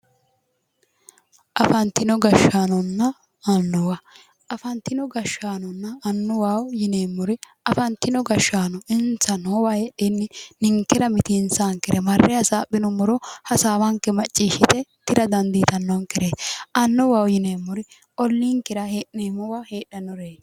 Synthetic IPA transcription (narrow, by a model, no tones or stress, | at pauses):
ʔɐfɐnt̪ɪnɔɡɐʃaːnɔnːɐ | ɐnːʊwɐ | ɐfɐnt̪ɪnɔɡɐʃːaːnɔnːɐːnːʊwaːwjɪneːmːʊɾɪ | ɐfɐnt̪ɪnɔɡɐʃːaːnɔɪnt͡sːɐnowaheɗenːɪnɪŋkːɪɾɐmɪt̪insaːŋkɪɾɛmɐrːɛjɐsaːbɪnʊmɔɾɔhɐsaːwɐŋkːɛmɐt͡ʃʼːiːʃɪt̪ɛt̪ɪɾɐd̪ɐnd̪iːt̪ɐnːɔŋkɪɾeɐnːʊwaːwjɪneːmːʊɾɪ | ɔlːiːŋkɪɾɐheːʔneːmːɔwɐheːɗːɐnɔɾeː